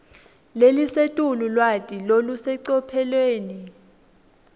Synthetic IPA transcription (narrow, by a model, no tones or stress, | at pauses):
lelisetʼululwatʼilolusɛǀɔpʰɛlweːni